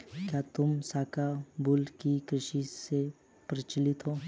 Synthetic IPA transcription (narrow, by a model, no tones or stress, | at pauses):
kjat̪ʊmsaːkabulkikɾɪʃise | pɾɐt͡ʃlɪt̪ɦoː